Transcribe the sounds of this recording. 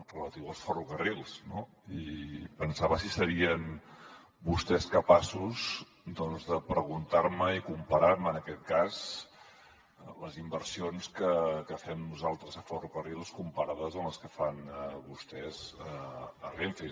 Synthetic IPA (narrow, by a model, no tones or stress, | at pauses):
rələt̪iwəlˠsfəruɣərilˠsno | ipənsaβəsisəɾiən | bust̪ɛskəpasuz | d̪ɔnzðəpɾəɣ̞unt̪aɾməikumpəɾaɾmənəkɛt̪̚kaz | ləzimbəɾsionskəkəfɛmnuzalˠt̪ɾəzəfərukərilˠskumpəɾaðəzənləskəfanβust̪ɛzəəriɱfi